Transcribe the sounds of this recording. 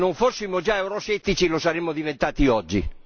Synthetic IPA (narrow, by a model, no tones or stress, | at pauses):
noɱfosːimod͡ʒaɛuɾɔsɛt̪ːit͡ʃilosaɾemːod̪ivent̪aːt̪iɔd͡ʒːi